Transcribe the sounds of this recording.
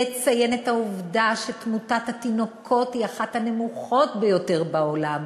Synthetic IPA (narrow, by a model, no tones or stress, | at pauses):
et͡saje̞nethauvdaʃetmutathatino̞kʰo̞tiaχathane̞muχo̞tbe̞jo̞te̞ʁbaolam